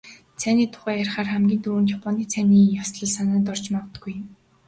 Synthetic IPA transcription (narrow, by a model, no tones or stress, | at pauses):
t͡sʰæniːt̪ʰʊ̥χæːærχaːrχæmɡʲiːnt̪uːɘ̆nt̪japʰɔniːt͡sʰæniːjɔsɮɞ̆ɮsanə̆ːnt̪̬ɔr̥t͡ɕmɔwt̪ə̥̆ɡuj